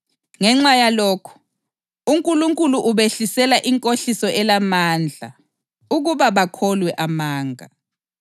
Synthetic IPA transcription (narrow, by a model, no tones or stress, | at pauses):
ŋɛŋ͡ǁajalɔːkʰɔ̥ | uŋkʼuluŋkʼuluʔuβeɬisɛlaʔiŋkʼoɬisɔʔɛlamand͡ɮʱa̰ | uɣuβaβakʰɔlwɛʔamaːŋa̰